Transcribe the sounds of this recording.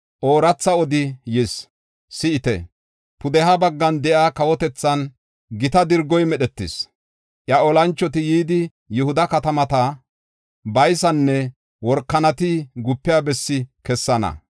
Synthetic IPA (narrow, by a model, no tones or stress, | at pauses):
ʔoːɾɐt͡sːɐɔd̪ɪjɪs | sɪɪt̪ɛ̰ | pʊd̪ɛɦɐbɐɡːɐnd̪ɛʔaːkɐwɔt̪ɛt͡sːɐn | ɡɪt̪ɐd̪ɪɾɡːɔjmɛɗɛt̪ːɪs | ʔjɐɔlɐnt͡ʃːɔt̪ɪjiːd̪ɪ | jʊhʊd̪ɐkɐt̪ɐmɐt̪ɐ | bɐjsɐnːɛ | wɔɾkːɐnɐt̪ɪɡʊpːɪjaːbɛsːɪkɛsːɐnɐ̰